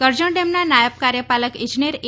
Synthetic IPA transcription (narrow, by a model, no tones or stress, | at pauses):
kəɾd͡ʒəɳɖemnanajəpkaɾjəpaləkɪ̃nd͡ʒinijəɾ